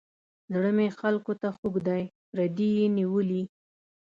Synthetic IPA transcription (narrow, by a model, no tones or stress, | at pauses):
zɽəmexalkot̪axuɡd̪aj | ɾad̪ijeniwəli